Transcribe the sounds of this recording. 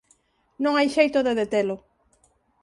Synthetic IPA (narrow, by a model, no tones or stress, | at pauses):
nõŋajʃejt̪oðeðet̪elo